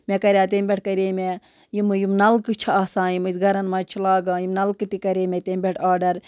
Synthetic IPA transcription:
mʲekɐɾʲjãːt̪eːmbʲeʈ̚ʰkɐɾeːme | jimɨjimnɐlkɨt͡ʃʰɐaːsãːjimɨzɡɐɾɐnmaːt͡ʃʰilaːɡãːjimnɐlkɨt̪ikɐɾʲeːmʲet̪embʲeʈʰaːɖɐɾ

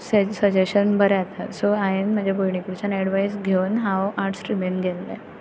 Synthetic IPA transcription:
sesəd͡ʑeɕənbəɾɛat̪ʰasoajenm̤ad͡ʑʱjaboɭɳikuɾt͡ɕanɛɽʋajsɡʱeʋnɦãwaɾʈsʈɾimenɡʱɛlːɛ̰

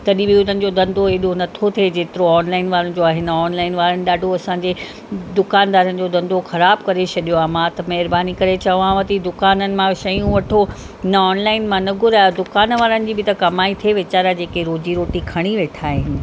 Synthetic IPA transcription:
t̪ɐɗĩbiʊnənɪ̆d͡ʑod̪ɐ̃nd̪oeːɗonɐt̪ʰot̪ʰed͡ʑeːt̪ɪɾoɔːnlaːɪnʋaːɾənɪ̆d͡ʑoaːɦɪnəɔːnlaːɪnʋaːɾənɪ̆ɗaːɖʱoɐsãːɲd͡ʑe | d̪ʊkaːnd̪aːɾənɪ̆d͡ʑoːd̪ɐ̃nd̪oxɐɾaːbkɐɾet͡ɕʰɐɗijoaːmãt̪ɐmɛɦɪɾbaːnikɐɾet͡ɕɐʋãʋɐt̪id̪ʊkaːnənɪ̆mãʃɐjũʋɐʈʰo | ɦɪnəɔːnlaːɪnmãnɐɡʱʊɾaːjod̪ʊkaːnʋaːɾənɪ̆d͡ʑiːbɪt̪ɐkɐmaːit̪ʰieʋɪt͡ɕaːɾad͡ʑeːkeɾoːd͡ʑiɾoːʈikʰɐɽ̃iʋeːʈʰaːɦɪnɪ̆

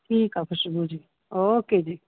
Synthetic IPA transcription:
ʈʰiːkapʰəɾʃubuɾd͡ʒiː | oːked͡ʒiː

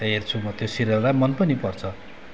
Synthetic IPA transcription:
ert͡sʰumʌt̪josiɾʌlajmʌnpʌnipʌrt͡sʰʌ

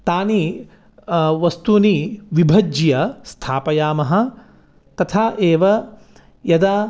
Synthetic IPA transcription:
t̪aːni | ʋɐst̪uniʋibʱɐd͡ʒjɐst̪ʰaːpɐjaːmɐɦɐ̆ | t̪ɐt̪ʰaːʔeːʋɐ | jɐd̪aː

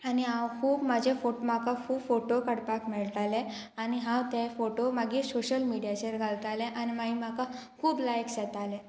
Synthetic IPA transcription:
aniãwkʰuːbmad͡ʑʱefomakakʰuːbfoʈokəɽpakmɛɭʈ̪ale | aniɦãwt̪efoʈomaɡiːsoɕəlmiɽijat͡ɕeɾɡʱalt̪aleʔanimaɦimakakʰuːblajksɛt̪ale

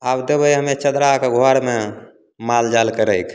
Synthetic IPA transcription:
abd̪ebəjɦəmet͡ʃəd̪ɾakeɡʱoaɾme | mald͡ʒalkəɾəjkʰ

